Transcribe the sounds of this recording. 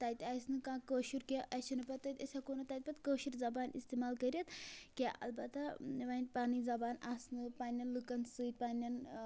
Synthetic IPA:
t̪ɐt̪ʲajsnɨkãːkəːʃuɾkʲeʔɐʃinɨpɐt̪ːɐt̪ʲɐsʲakoːnɐt̪ɐt̪̚ʲpɐt̪kəːʃuɾzɐbaːnḭst̪eːmaːlkɐɾʲjɐt̪kʲaʔɐ̰lbɐt̪aʋanpaːnizɐbaːnaːsnɨpaːnʲɐnlɨkɐnsɨːt̪̚ʲpaːnɐn

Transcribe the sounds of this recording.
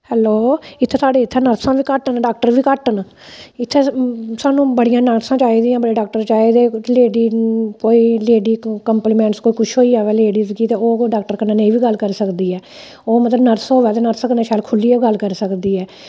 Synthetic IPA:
hɛːloːɪt̪ʰːeːsaːɖeːɪt̪ʰːɛ̃ːnəɾsãːʋiːkəʈənɖaːk̚ʈəɾʋiːkəʈən | ɪt̪ʰːeːsaːnũːbəɽijãːnəɾsãːt͡ʃaːiːd̪iːãːbəɽeːɖaːk̚ʈəɾt͡ʃaːiːd̪eːleːɖiːkoːiːleːɖiːkəmpliːmɛ̃ːɳʈskoːiːkʊt͡ʃʰɦoːiːaːʋɛːleːɖiːsɡiːt̪eːoːɖaːk̚ʈəɾkənãːneiːʋiːɡəlːkəɾsəkd̪iːɛː | oːmət̪ləbnəɾsoːʋɛːt̪eːnəɾsəkənaːʃaːlkʰʊliːɛɡəlkəɾsəkd̪iːɛː

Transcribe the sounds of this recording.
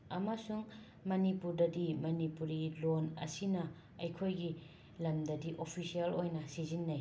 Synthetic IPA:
ɐmɐsuŋ | mɐnipuɾdɐdimɐnipuɾilonɐ̰sinɐ | ɐjkʰojɡi | lɐmdɐdiʔopʰisiɐlojnɐsizinːɐj

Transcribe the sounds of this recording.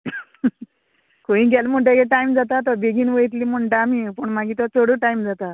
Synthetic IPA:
koĩɡɛlm̤əɳʈ̬ekeʈajmd͡zat̪at̪ɔbeɡiːnʋəjt̪̬liːməɳʈaːmipəɳmaɡiːt̪ɔt͡səɽəʈajmd͡zat̪a

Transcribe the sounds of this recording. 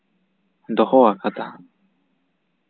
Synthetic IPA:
d̪ohoakat̪a̰

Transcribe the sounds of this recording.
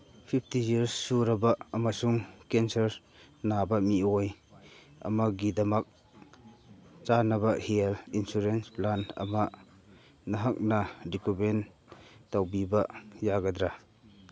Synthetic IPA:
pʰip̚tiziɾsːuɾɐbɐɐmasuŋkensɐɾ | nabɐmioj | ɐ̰mɐk̚ɡidɐmɐk̚ | t͡ʃanɐbɐhelinsuɾensplanɐ̰ma | nɐɦak̚nɐdikumen | tawbibɐjaɡadɾa

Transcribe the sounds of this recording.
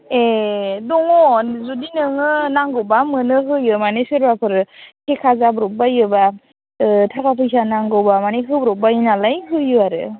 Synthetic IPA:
edɔŋɔnzudinɯŋɯnaŋɡɔwbamɯnɯɦɯjɯmanesɯɾbapʰɯɾkʰekʰazabɾɔp̚bajɯba | tʰakapʰɯjsanaŋɡɯwbamaneɦɯbɾɔp̚bainalajɦɯjɯaɾɯ

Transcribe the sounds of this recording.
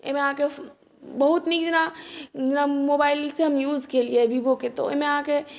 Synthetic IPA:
ḛmẽãːke | bɐɦʊt̪nikd͡ʒɪnad͡ʒnamoːbaːɪlseɦɐmjuːzkeliebʱiboket̪o̰ḛmẽaːke

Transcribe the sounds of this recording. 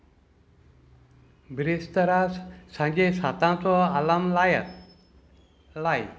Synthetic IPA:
bʱɾest̪əɾassãɲd͡ʑesat̪ãt͡sɔalamlj | laj

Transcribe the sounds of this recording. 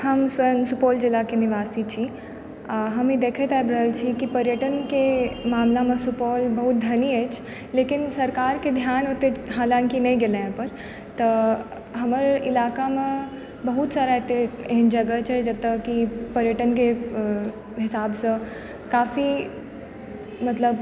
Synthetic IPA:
hɐmsʋɐənsupoːld͡ʒɪlːakenɪʋaːsit͡ʃʰi | ɦɐmid̪eːkʰət̪ajbɾɐɦəlt͡ʃʰikipɐɾjəʈənkemaːmlamẽsupoːlbɐɦʊt̪̚d̪ʱɐniɦɛːt͡ʃʰ | leːkɪnsɐɾkaːɾked̪ʱjaːnɦoːt̪eɦaːlãːnkinɐĩɡeleẽpɐɾ | t̪ɐ | ɦɐməɾɪlaːkamẽ | bɐɦut̪saːɾaɦet̪eeɦɪnd͡ʒɐɡət͡ʃʰed͡ʒɐt̪əkːipɐɾjəʈənke | ɦɪsaːbsɐ̃ | kaːfi | mɐt̪ləb

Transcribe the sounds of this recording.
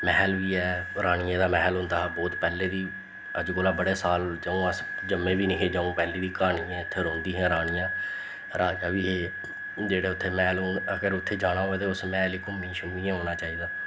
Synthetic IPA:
mɛːlʋiːɛːɾaːɽ̃ɪjãːd̪aːmɛːɦlɦʊ̃nd̪aːbɔːt̪pɛːleːd̪iː | əd͡ʒkoːlaːbəɽeːsaːld͡ʒəũːəs | d͡ʒəmːẽːʋiːnɪkʰeːd͡ʒaːũːpɛːleːd̪iːkaːɽ̃iːãːɪt̪ʰːeːɾõːnd̪iːɦɛ̃ːɾaːɽ̃ijãː | ɾaːjãːʋiːɦeː | d͡ʒeːɽeːʊt̪ʰːeːmɛːloːnəɡəɾʊt̪ʰːeːd͡ʒaːɽ̃ãːɦoːɛːt̪eːʊsmɛ̃ːliːkʊmːĩːʃʊmiːãːɦoːnaːt͡ʃaːiːd̪aː

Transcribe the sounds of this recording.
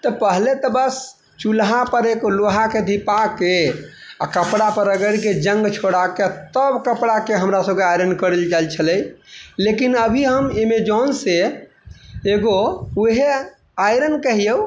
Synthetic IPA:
t̪ɔpəɦlet̪əbəs | t͡ʃulɦãpəɾekoloɦaked̪ʱipake | a̰kəpɽapəɾəɡəɽked͡ʒə̃ŋɡt͡ʃʰoɽaket̪əbkəpɽakeɦəmɾasəb̚keajɾənkəɾəld͡ʒalt͡ʃʰəlɛjlekinəbʱiɦəmemed͡ʒɔnse | eɡouɦe | ajɾənkəɦijəu

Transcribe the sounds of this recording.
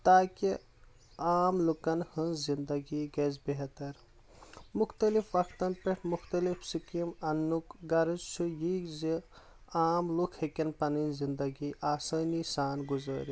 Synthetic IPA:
t̪aːki | aːmlukɐnhɐnzind̪ɐɡiɡɐzbeɦt̪ɐɾ | muxt̪ɐlifʋɐkʰt̪ɐnpeʈʰmuxt̪ɐlifsikimɐnːukɡɐɾɐzt͡ʃʰujikzi | aːmlukʰhekɐnpɐninzind̪ɐɡiʔaːsɐːnisaːnɡuzɐ̰ːɾi

